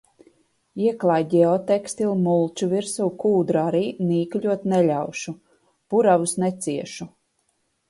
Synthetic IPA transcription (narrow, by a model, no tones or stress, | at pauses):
iɛklˠaːjɟɛɔt̪ɛkst̪ilʲmulˠt͡ʃuviɾsuwkuːd̪ɾaɾiːniːklʲuɔt̪nɛlʲawʃu | b̥uɾavusnɛt̪siɛʃu